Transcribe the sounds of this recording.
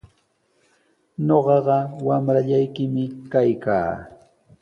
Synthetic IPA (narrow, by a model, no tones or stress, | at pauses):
ɲoɢɑɢɑwamɾaʎajkɪmɪkajka̰ː